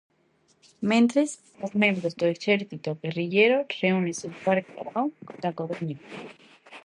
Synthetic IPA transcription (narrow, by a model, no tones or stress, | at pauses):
mẽnt̪ɾes | osneɾðosd̪oeseɾθit̪oɣeriʝeɾor̥eũnesepaɾko̰βawd̪akoβeɲo